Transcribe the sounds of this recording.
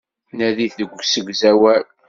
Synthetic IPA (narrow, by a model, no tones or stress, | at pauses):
næðiθəɡʷsəɡʷzæwæl